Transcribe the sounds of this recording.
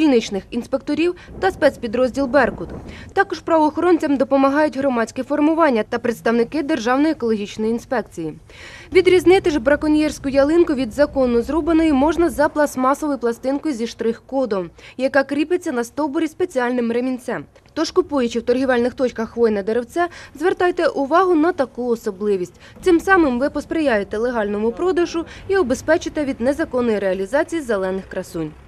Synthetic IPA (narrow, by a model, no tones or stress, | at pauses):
kʲilʲnɪt͡ʃnɪxinspe̞k̚t̪ɔɾʲiwt̪ɐspɛsʲpʲid̪ɾɔzʲdʲilˠbɛrkʊt̪t̪ɑkɔʃpɾɐʋɔːxɔɾɔnʲt͡sʲɐmd̪ɔpɔmɐɦɑjʊtʲɦɾɔmɑt͡sʲkɛfɔrmʊʋɑnʲːɐt̪ɐpɾet̪st̪ɐwnɪkɪd̪e̞rʒɑwnɔjiekɔlˠɔɦʲit͡ʃnɔjiinspɛkt͡sʲiji | ʋʲid̪ɾʲiznɪt̪ɪʒbɾɐkɔnʲjɛrsʲkʊjɐlˠɪnkʊʋʲid̪zɐkɔnʊzɾɔbenɔjʊmɔʒnɐzɐplˠɐsmɑsɔʋɔjʊplˠɐst̪ɪnkɔjzʲiʃt̪ɾɪxkɔd̪ɔmjɐkɑkɾʲipɪt͡sʲːɐnɐst̪ɔbɔɾʲispe̞t͡sʲiɑlʲnɪmɾemʲinʲsʲɛm | t̪ɔʃkʊpujʊt͡ʃɪwt̪ɔrɦʲiʋɑlʲnɪxt̪ɔt͡ʃkɐxːʋɔjnɐd̪eɾewt͡s̪ʲɛzʋert̪ɑjt̪ɛʔʊʋɑɦʊnɐt̪ɐkuɔsɔblˠɪʋʲisʲtʲ | t̪ɪmsɑmɪmʋɪpɔspɾejɑjet̪ɛlˠeɦɑlʲnɔmʊpɾɔd̪ɐʒʊiɔbespɛt͡ʃɪt̪ɛʋʲid̪nezɐkɔnːɔjiɾeɐlʲizɑt͡sʲijizelˠɛnɪxkɾɐsunʲ